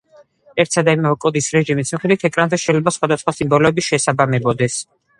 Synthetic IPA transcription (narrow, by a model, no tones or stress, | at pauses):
ɛɾt̪sad̪aimɛɛkʼɔd̪isɾɛʒimismχɛd̪wit̪ʰɛkʼɾanzɛʃɛjlɛbasχwad̪asχwasimbɔlɔɛbiʃɛsabamɛbɔd̪ɛs